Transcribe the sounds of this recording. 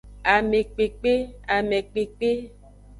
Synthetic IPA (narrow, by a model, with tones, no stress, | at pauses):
a˨me˨k͡pe˨k͡pe˦a˨me˨k͡pe˨k͡pe˦